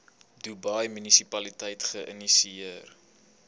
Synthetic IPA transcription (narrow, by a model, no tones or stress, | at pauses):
dubɐjmynisipɐlitɛjtχəʔə̰nisiir